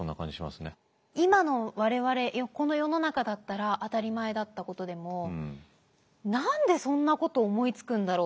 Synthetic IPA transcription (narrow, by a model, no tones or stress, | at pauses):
sonːa̰kã̰ɲd͡ʑiɕima̰sɨne | imano̞βaɾe̞βaɾe̞jako̞no̞jo̞no̞nakad̪at̪ːaɾaʔat̪aɾʲimae̞d̪at̪ːako̞t̪o̞d̪e̞mo̞ | nãnd̪e̞sõ̞nːako̞t̪o̞ːmo̞it͡sɨ̥kɯ̟̃nd̪aɾoː